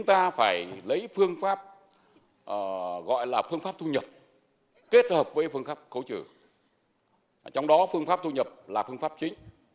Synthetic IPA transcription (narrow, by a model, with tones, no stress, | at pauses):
t͡ɕʊ˨˦ŋ͡mt̪aː˧faː˧˩jlə˨˦jfɨ˧əŋfaː˦˥p̚ | ʔəː˨˩ɣɔ̰˧˨jlaː˨˩fɨ˧əŋfaː˦˥p̚t̪ʰu˧ɲə˨˩p̚ | ke˦˥t̚həː˨˩p̚vəː˨˦jfɨ˧əŋfaː˦˥p̚xə˨˦wt͡ɕɨ̰˧˩ | t͡ɕɔ˧wŋ͡mɗɔ˨˦fɨ˧əŋfaː˦˥p̚t̪ʰu˧ɲə˨˩p̚laː˨˩fɨ˧əŋfaː˦˥p̚t͡ɕï˨˦ŋ̟